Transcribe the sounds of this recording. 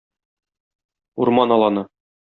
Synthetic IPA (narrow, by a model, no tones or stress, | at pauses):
uɾmɑnɒlˠɑnɤ